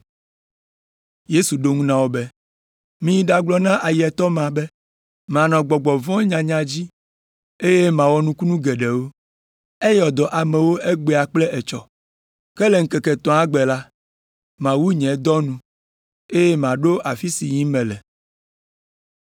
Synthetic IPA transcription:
je˦su˨ɖo˦ŋũ˦nã˦wo˦be˦ | mĩ˨ji˦ɖa˨ɡ͡blɔ˨nã˦ʔa˨jɛ˨t̪ɔ˦mã˨bɛ˦ | m˨ã˨nɔ̃˨ɡ͡bɔ˨ɡ͡bɔ˨vɔ̃˦ɲã˨ɲã˨d͡ʑi˦ | e˦je˦mã˨wɔ˨nũ˦ku˦nũ˦ɡe˨ɖɛ˨wo˦ | e˦jɔ˨d̪ɔ˨ʔa˨mɛ̃˨wo˦e˦ɡ͡be˨a˨k͡plɛ˦ʔe˨t͡ʃɔ̰˨ | kɛ˦lɛ˨ŋ̩˦kɛ˨kɛ˨t̪ɔ̃˨˦a˦ɡ͡bɛ˨la˦ | mã˨wu˦ɲɛ̃˨˦d̪ɔ˦nũ˨ | e˦je˦mã˨ɖo˦a˨fi˦si˨ɲĩ˦mɛ̃˨lɛ˨

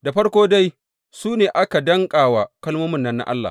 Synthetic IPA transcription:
da˨ɸɐ˦ɽkʷoː˦da˦j | suː˦neː˨ʔa˦ka˨dɐ˦ŋkʼaː˨waː˨kɐ˦lmoː˦mɪ˦˨nːɐ˦nːa̰˦ʔa̰˦lːa̰˨

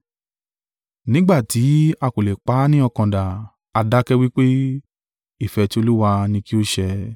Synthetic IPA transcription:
nĩ˦ɡ͡ba˦˨ti˨˦a˧ko˨lɛ˨k͡pa˨˦nĩ˦ɔ˧kã˨da˨ | a˧da˦kɛ˦wi˦k͡pe˦ | i˦˨fɛ˨˧ti˦o˧lu˦wa˧nĩ˧ki˦o˦ʃɛ˧

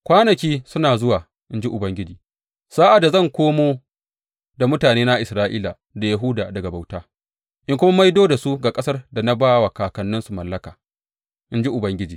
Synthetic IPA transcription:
kʷaː˦nɐ˨kʲiː˦sʊ˦naː˨zʊ˦waː˨ | ʔɪ˦nd͡ʒi˦ʔʊ˨bɐ˦ŋɡʲɪ˦d͡ʒiː˨ | saː˦ʔa˨da˨zɐ˦˨ŋkʷoː˦moː˦ | da˨mʊ˦taː˨neː˦na˦ʔɪ˨sɾaː˦ʔiː˦la˨ | da˨ja˨ɦʊ˦daː˨dɐ˨ɡa˨ba˨wtaː˦ | ʔɪ˦ŋkʷʊ˦ma˦ma˦jdoː˦da˨su˦ɡaː˨kʼɐ˦sɐ˦rda˨na˦baː˦wa˨kaː˨kɐ˨nːɪ˦nsu˨mɐ˨lːɐ˦ka̰ː˨ | ʔɪ˦nd͡ʒi˦ʔʊ˨bɐ˦ŋɡʲɪ˦d͡ʒiː˨

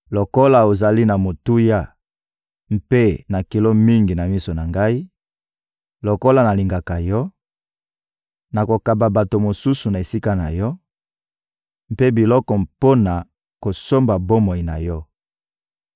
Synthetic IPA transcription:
lo˨ko˦la˨o˨za˨li˦na˨mo˨tu˦ja˦ | m̩˦pe˦na˨ki˨lo˦mi˦ŋɡi˨na˨mi˦so˨na˨ŋɡa˦i˦ | lo˨ko˦la˦˨na˨li˨ŋɡa˨ka˨jɔ˦ | na˨ko˨ka˨ba˨ba˨to˨mo˨su˦su˨na˨e˨si˦ka˦na˨jɔ˦ | m˦pe˦bi˨lɔ˦kɔ˨po˦na˨ | ko˨so˦mba˨bo˦mo˨i˨na˨jɔ˦

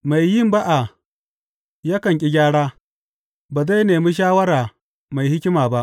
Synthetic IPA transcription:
ma˨jːɪ˦mba˦ʔa˨ | ja˦kɐ˨ŋkʲʼɪ˦ɡʲaː˦ɽaː˦ | baː˨za˦jneː˨mi˦ʃ̬aː˦wɐ˦ɾaː˨ | ma˨jhɪ˦kʲɪ˦maː˨ba˦ʔ

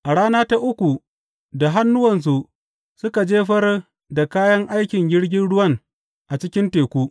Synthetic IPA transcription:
ʔa˨ɽaː˦naː˦ta˦ʔʊ˦kʷu˨ | da˨ɦa˦nːʊ˦wɐ˨ns̬u˨ʔ | sʊ˦ka˨d͡ʒeː˦ɸɐ˦r | da˨kaː˦jɐ˦ŋʔa˦jkʲɪ˨ŋɡʲɪ˦ɽɡʲɪ˦nɽʊ˦wɐ˦ŋ | ʔa˨t͡ʃɪ˦kʲɪ˦nteː˨kʷuː˦

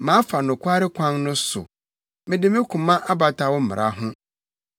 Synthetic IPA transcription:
mã˨˦fa˨nʊ̃˨kʰʷa˦ɾɪ˦kʰʷã˦ŋnʊ̃˦sʊ̰˨ | mɪ̃˨dɪ˦mɪ̃˦kʰũ˨mã˦ʔa˦ba˨tʰa˨wɔ˦m̩˦˨mɪ̰˨ɾʔa̰˨ɦʊ̃˦

